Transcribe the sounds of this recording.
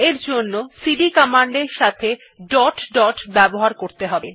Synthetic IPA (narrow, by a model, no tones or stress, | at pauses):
eɾd͡ʑonːosiɖikɔmaɳɖeɾʃat̪ʰe | ɖɔʈɖɔʈbɛboɦaɾkoɾt̪eɦɔbe